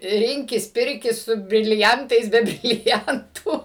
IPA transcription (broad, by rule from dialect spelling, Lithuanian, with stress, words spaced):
ˈrʲɪŋʲkʲɪs ˈpʲɪrʲkʲɪs sʊ bʲrʲɪlʲɪˈɐntɐɪs bʲɛ bʲrʲɪlʲɪˈɐntʊ